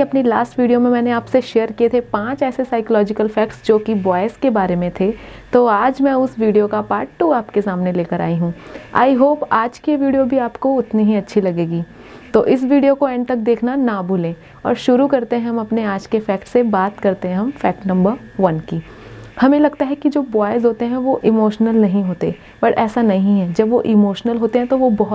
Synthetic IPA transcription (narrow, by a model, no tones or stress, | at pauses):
ɐpnilaːsʈʋiːɖijomẽmɛːneaːpseʃeːəɾkiet̪ʰepãːt͡ʃɛːsesaːɪkəlɔːd͡ʒɪkəlfɛːkʈsd͡ʒoːkiʋɔːɪskebaːɾemẽt̪ʰet̪oaːd͡ʒmɛ̃ʊsʋiːɖijokapaːɾʈʈːuːaːpkesaːmneleːkəɾa̰ːiɦũːa̰ːɪɦoːpaːd͡ʒkeʋiːɖijobʱiaːpkoʊt̪niɦiɐtːʃʰilɐɡeːɡiː | t̪oːʔɪsʋiːɖijokoɛ̃ːɳɖ̚t̪ɐk̚d̪eːkʰnanabʱʊlẽː | ɔ̰ːɾʃʊɾukɐɾt̪eɦɛ̃ɦɐ̃mɐpneaːd͡ʒkefɛːkʈsebaːt̪kɐɾt̪eɦɛ̃ɦɐ̃mfɛːk̚ʈnɐ̃mbəɾʋɐnkiː | hɐmẽlɐɡt̪aɦɛkid͡ʒoːbɔːɪzɦoːt̪eɦɛ̃ʋoʔɪmoːʃnəlnɐɦĩɦoːt̪ḛ | b̥ɐʈɛːsanɐɦĩɦɛd͡ʒɐbʋoʔɪmoːʃnəlɦoːt̪eɦɛ̃t̪oʋobɐɦ